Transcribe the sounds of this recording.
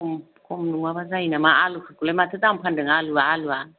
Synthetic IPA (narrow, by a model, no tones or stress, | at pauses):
m | kʰomnuŋabazajinamaalukʰakulemat̪ʰɯt̪ampʰandɯŋaluaːlua